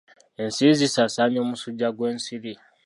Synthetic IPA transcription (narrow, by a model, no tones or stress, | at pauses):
ensiːzisasaɲoːmusuɟːaɡwe̞ːnsiɾi